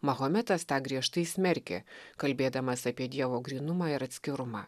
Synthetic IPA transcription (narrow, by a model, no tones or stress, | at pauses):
mɐɣoːmʲɛt̪ɐst̪ɑːɡɾʲiɛʃt̪ɐɪsʲmʲɛɾʲkʲḛːkɐlʲbʲeːd̪ɐmɐsɐpʲiɛd̪ʲiɛʋoːɡɾʲiːnʊmɑːɪɾɐt̪ʲsʲkʲɪɾʊmɑː